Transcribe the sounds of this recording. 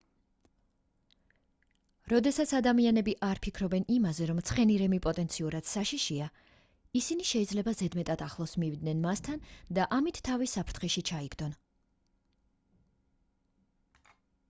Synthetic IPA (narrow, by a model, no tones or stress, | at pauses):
ɾɔd̪ɛsat̪sʰad̪amianɛbiʔaɾpʰikʰɾɔbɛnimazɛɾɔmt̪sʰχɛniɾɛmipʼɔt̪ʼɛnt̪sʰiuɾad̪̥saʃiʃia | isiniʃɛid̪zlɛbazɛd̪mɛt̪ʼat̪ʰaχlˠɔsmivid̪nɛnmast̪ʰand̪aʔamit̪ʰtʰːavisapʰɾt̪ʰχɛʃit͡ʃʰaiɡd̪ɔn